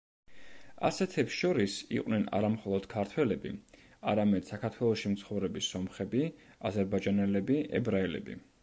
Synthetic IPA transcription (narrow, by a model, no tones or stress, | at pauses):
a̰sɛt̪ʰɛpsʃɔɾisḭqʼwnɛna̰ɾamχɔlˠɔd̪̥kʰaɾt̪ʰwɛlɛbḭ | aɾamɛd̪̥sakʰaɾt̪ʰwɛlˠɔʃimt̪sʰχɔvɾɛbisɔmχɛbi | azɛɾbad͡ʒanɛlɛbiʔɛ̰bɾaɛlɛ̰bḭ